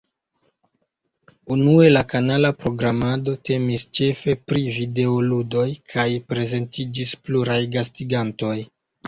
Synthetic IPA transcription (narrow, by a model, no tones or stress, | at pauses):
unue̞lakanalapɾo̞ɡɾamado̞te̞mist͡ʃe̞fe̞pɾivide̞oludo̞jkʰajpɾe̞ze̞ntid͡ʒispluɾajɡas̬tiɡanto̞j